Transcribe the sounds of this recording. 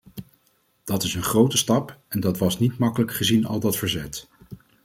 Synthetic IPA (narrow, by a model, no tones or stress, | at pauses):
d̥ɑtɪsənχrowtəstɑpɛndɑtʋɑsnitmɑkələkχəzinɑ̰lˠdɑtfəɹzɛt